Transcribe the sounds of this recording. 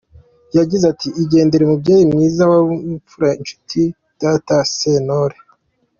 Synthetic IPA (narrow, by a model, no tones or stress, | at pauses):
jaɡizatʰiiɟe̞ːnde̞ɾemubɟeːjimɲiːzawaufuɾaint͡ʃu̥tʰi | d̥atasenoɾe